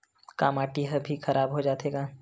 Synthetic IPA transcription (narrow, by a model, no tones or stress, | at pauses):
kaːmaːʈiɦəbʱixɐɾʔaːbɦod͡ʒaːt̪eːɡaː